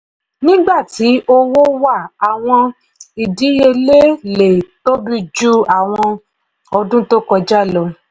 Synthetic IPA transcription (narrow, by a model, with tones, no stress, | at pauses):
nĩ˦ɡ͡ba˦˨tʰi˨˦ʔo˦wo˦wa˦˨a˨w̃ɔ̃˧ | i˨di˨˦je˧le˦le˨to˦bi˧d͡ʒu˦a˦˨w̃ɔ̃˧ | ɔ˧dũ˦to˦kɔ˧d͡ʒa˦lɔ˧